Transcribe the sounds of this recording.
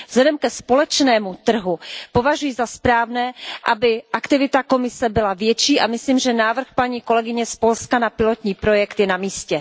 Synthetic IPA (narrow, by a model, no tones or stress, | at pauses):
vzlɛdɛmkɛspo̞lɛt͡ʃnɛːmut̪r̩ɦupo̞vaʒujɪzaspɾaːvnɛːʔabɪʔakt̪ɪvɪt̪ako̞mɪsɛbɪlavjɛt͡ʃiːʔamɪsliːmʒɛnaːvr̩xpaɲiːko̞lɛɡɪɲɛspo̞lskanapɪlot̪ɲiːpɾo̞jɛkt̪jɛnamiːscɛ